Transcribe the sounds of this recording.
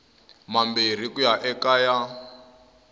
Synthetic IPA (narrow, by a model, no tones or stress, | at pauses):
mambir̤ikujaʔɛkaːja